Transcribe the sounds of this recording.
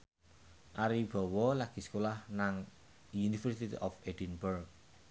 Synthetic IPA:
ʔaɾib̥ɔ̤wɔlaɡ̥i̤skolahnaŋ | junifəɾst̪it̪ḭʔɔfed̥inburk̚

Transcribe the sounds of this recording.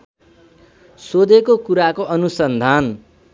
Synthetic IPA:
sod̪ʱekokuɾakoʔʌnusʌnd̪ʱan

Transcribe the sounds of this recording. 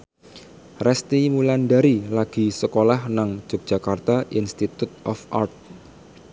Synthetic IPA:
rɛst̪imulanɖaɾilaɡ̥i̤səkolahnaŋ̥d͡ʒ̥ok̚ʒ̥a̤kart̪aʔinst̪it̪ut̪̚ʔɔfʔart̪̚

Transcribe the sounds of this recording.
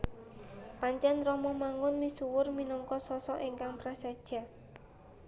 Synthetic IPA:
paɲt͡ʃɛnrɔmɔmaŋʊnmisuwʊrminɔŋkɔsɔsɔʔiŋkaŋpɾasad̥ʒ̥a̤

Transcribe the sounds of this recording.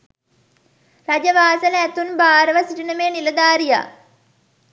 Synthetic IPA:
rad͡ʒəʋaːsələæt̪unbaːɾəʋəsiʈinəmeːniləd̪aːɾija̰ː

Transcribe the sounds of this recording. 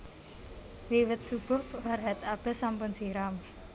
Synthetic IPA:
wiwət̪̚sub̥ɔ̤hwarɦat̪ab̥ɛ̤sampʊnseɾam

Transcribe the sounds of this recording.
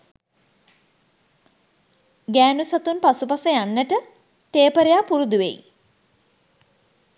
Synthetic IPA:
ɡæːnusat̪unpasupasəjanːəʈə | t̪eːpəɾejapuɾud̪uʋḛj

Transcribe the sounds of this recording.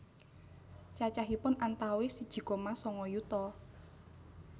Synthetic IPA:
t͡ʃat͡ʃaɦipʊnant̪awesid̥ʒ̥i̤kɔmasɔŋɔjut̪ɔ

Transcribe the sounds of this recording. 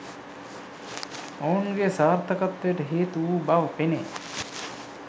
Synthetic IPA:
ownɡesaːɾt̪ʰəkat̪ːejəʈəɦeːt̪uuːbaʋəpene

